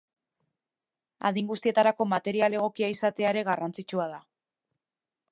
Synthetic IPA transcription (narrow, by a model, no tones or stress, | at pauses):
a̰ðiŋɡust̪ie̞t̪aɾako̞mat̪e̞ɾiale̞ɣ̞o̞kiaisat̪e̞aeɾe̞ɣarant͡sit͡ʃuað̞a